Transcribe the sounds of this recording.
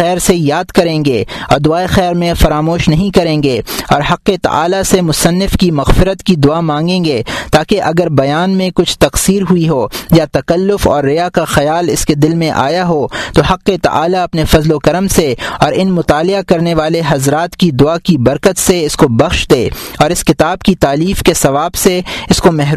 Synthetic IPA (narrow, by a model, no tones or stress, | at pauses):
ɛːɾsejaːd̪kɐɾẽːŋɡeːɔ̰ːɾd̪ʊaːexɛːɾmẽfɐɾaːmoːʃnɐɦĩkɐɾẽːŋɡeːɔːɾɦɐqːet̪ɐ̰ʔa̰ːlasemʊsɐnːɪfkimɐɣfɪɾət̪kid̪ʊaːmãːŋɡẽːɡet̪aːkeʔɐɡəɾbɐjaːnmẽkʊt͡ʃʰt̪ɐqsiːɾɦʊiɦoːjat̪ɐkɐlːʊfɔ̰ːɾːɪjakaxɐjaːlɪsked̪ɪlmẽʔa̰ːjaɦoːt̪oɦɐqːet̪ɐ̰ʔa̰ːlaɐpnefɐzlokɐɾəmseɔːɾɪnmʊt̪aːlɪakɐɾneʋaːleɦɐzɾaːt̪kid̪ʊakibɐɾkət̪seɪskobɐxʃd̪eːɔːɾɪskɪt̪aːbkit̪aːliːfkesɐʋaːbseɪskomɛɦ